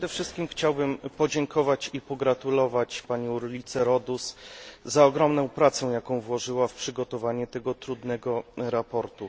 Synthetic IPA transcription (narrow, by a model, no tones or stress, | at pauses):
ʂɛd̪ɛfʂɘst̪̚kʲimxt͡ɕawbɘmpɔd͡ʑɛŋkʰɔvat͡ɕipɔɡɾat̪ulɔvat͡ɕpaɲɔɾulʲit̪sɛɾɔd̪uszaɔɡɾɔmnɔ̃w̃pɾat̪sɛw̃jakɔ̃w̃vwɔʐɘwafpʂɘɡɔt̪ɔvaɲɛt̪ɛɡɔt̪ɾud̪nɛɡɔɾapɔɾt̪u